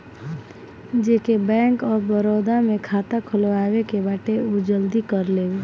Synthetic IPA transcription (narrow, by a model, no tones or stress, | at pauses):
d͡ʒekebɛ̃ːŋkɔːɾbəɾɔːd̪amẽkʰaːt̪akʰʊlwaːwekebaːʈeud͡ʒəld̪ikəɾlee